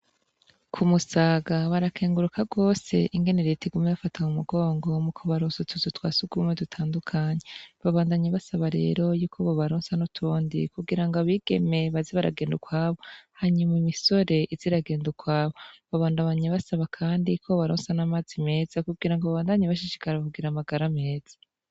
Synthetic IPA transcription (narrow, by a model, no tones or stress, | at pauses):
kʰumusaːɡaβaɾakʰeːŋɡuɾukʰaɡwo̞ːse̞̰ʔiŋɡe̞neɾetʰiɡumeβafatʰamumuɡo̞ːŋɡo̞mukʰoβaɾoːnsutʰuzutwaːsuɡuumedutʰaːndukʰaɲeβaβaːndaɲeβasaβaɾe̞̰ːɾo̞juːkʰoβoβaɾoːnsanutʰuːndḭkuɡiɾaŋɡoaβiɡ̥e̞me̞βaziβaɾa̰ɡe̞ːndukwaːβo̞haɲumimiso̞ɾe̞ʔiziɾaɡe̞ːndukwaːβo̞βaβaːndaβaɲeβasaβakʰaːndikʰo̞βaɾoːnsanamaːzime̞ːz̥akuɡɡiɾaŋɡoβaβaːndaɲaβaʃiʃi̥kaɾaβuɡiɾamaɡaɾame̞ːz̥a